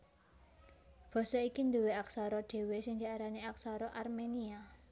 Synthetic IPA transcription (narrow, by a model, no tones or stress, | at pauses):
b̥ɔ̤sɔikind̪uweaksaɾɔɖ̪̥e̤wesɪŋd̪̥i̤aɾaniak̚saɾɔʔarmenia